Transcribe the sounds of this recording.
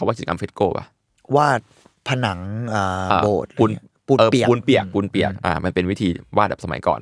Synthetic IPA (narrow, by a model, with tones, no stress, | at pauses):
a˦wa˦˥˩i˨˩a˧ka˧mfe˦˥koː˥˩pa̰˧˩ | waː˥˩t̪̚ | pʰa˧na˩˦ŋʔaː˨˩a˧boː˨˩t̪̚uː˧n | puː˨˩ɤː˧i˨˩u˧npi˨˩ək̚puː˧npi˨˩ək̚ʔa̰ː˨˧˩ma˧npe˧nwi˦˥t̪ʰiː˧wa˦˥˩ɛː˨˩psa˧ma˩˦jkɔ̰ː˨˩n